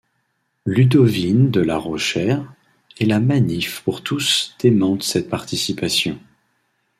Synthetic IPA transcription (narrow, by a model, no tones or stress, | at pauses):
lyd̪ɔvind̪əla̰ʁɔʃɛʁ | ɛlamanifpuʁt̪usd̪̥emɑ̃t̪sɛt̪̚paʁt̪isipasjɔ̃